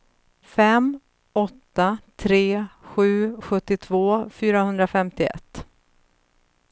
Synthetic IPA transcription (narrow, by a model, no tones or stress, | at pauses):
fɛm | ɔt̪ːat̪ʰɾeːɧʉ̟ːɧɵt̪ːɪt̪ʰvoːfyːɾahɵnd̪ɾafɛmt̪ɪɛ̰t̪ː